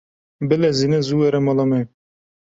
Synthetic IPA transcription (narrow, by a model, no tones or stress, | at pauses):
bɛlɛzinɛzuwɛɾɛmɑlɑmɛ